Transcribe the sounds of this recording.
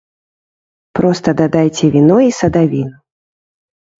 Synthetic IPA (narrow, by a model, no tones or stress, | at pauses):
pɾɔst̪ɐd̪ad̪ajt͡sʲɛvʲinɔisɐd̪avʲinu